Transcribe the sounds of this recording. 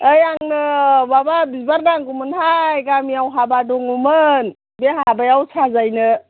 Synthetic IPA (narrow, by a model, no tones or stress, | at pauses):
əjaŋnɯbababizbaɾnaŋɡumɯnɦajɡamijawɦabadɔŋumɯn | beɦaabajawsʰazajnɯ